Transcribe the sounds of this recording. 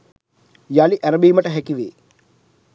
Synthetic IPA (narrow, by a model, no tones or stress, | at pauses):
jaliʔæɾəbiːməʈəɦækiʋeː